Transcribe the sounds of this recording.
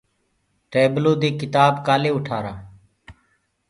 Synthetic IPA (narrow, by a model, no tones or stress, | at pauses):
ʈeːbloːd̪eːkɪt̪aːbkaːleːʊʈʰaːɾaː